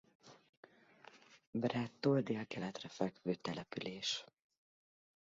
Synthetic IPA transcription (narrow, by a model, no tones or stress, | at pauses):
brɛt̪ːoːld̪eːlkɛlɛt̪rɛfɛkʋøːt̪ɛlɛpyleːʃ